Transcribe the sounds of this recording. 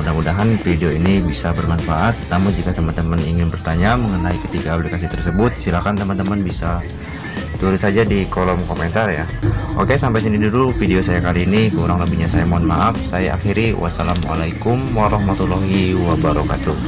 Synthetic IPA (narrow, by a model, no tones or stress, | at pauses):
udamudaɦanfideoinibisabərmanfaʔat̪̚namʊnd͡ʒikat̪əmant̪əməniŋɪnbərt̪aɲaməŋənaikə̥t̪iɡaːplikasit̪ərsəbʊt̪̚silakant̪əmant̪əmənbisa | t̪uɾɪsad͡ʒadikolɔmkoment̪arjaʔokesampajsinidulufideosajakaliːnikəuɾaŋləbihɲasajamaanmaʔafsaja̰ʔa̰xiɾiwʔa̰salamʔa̰lajkʊmwaɾɑhmat̪ulɔɦiwabaɾɔka̰t̪u